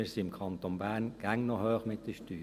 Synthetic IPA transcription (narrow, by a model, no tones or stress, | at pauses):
əsiɪmkʰɑnt̪onbæːnɡ̥æŋnɔhøːχmɪt̪̚d̪əʃtyː